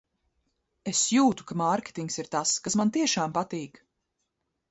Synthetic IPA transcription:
esjuːt̪u̥kamaɾkʲe̥t̪iŋksiɾt̪askasmant̪iɛʃaːmpat̪iːk

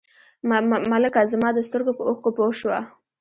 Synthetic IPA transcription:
mmaləkɑzamɑd̪əst̪əɾɡopəoxkopoʃwa̰

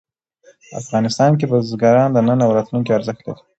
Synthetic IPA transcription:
a̰fɣɑnɪst̪ɑnk̬ebəzɡɑɾɑnd̪ənənawɾɑt̪luŋk̬iaɾzəxt̪la̰ɾi̥

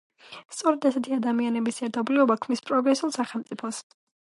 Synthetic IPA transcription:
st̪sʼɔɾɛd̪asɛt̪ʰiad̪amianɛbisɛɾt̪ʰɔbliɔbakʰmnispʼɾɔɡɾɛsulˠsaχɛlˠmt̪sʼipʰɔs

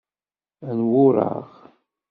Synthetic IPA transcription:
ænwʊɾˤɑ̰ʁ

